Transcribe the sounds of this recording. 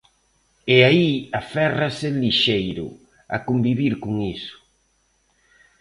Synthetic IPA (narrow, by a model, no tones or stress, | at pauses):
eaiafɛrasɪliʃejɾʊ̰ | a̰kombiβiɾkoŋisʊ̥